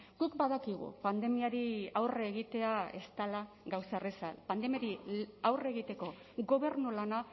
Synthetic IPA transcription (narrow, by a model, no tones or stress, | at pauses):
ɡ̥ukbaðakiɣ̞ṵpand̪e̞miaɾiawreɣ̞it̪e̞ae̞̰st̪ala | ɡawsaresa̰lpand̪e̞maɾiawre̞ɣit̪e̞ko̞ | ɡo̞βe̞ɾnulana